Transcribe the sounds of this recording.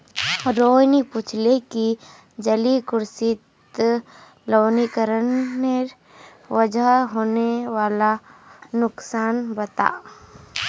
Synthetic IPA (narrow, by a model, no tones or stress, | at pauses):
ɾoːjnipʊt͡ʃʰleki | d͡ʒəlikʊɾsɪt̪ | loːnikəɾənːe | ʋəd͡ʒaɦoːnewaːlanʊksaːnbɐt̪a̰ː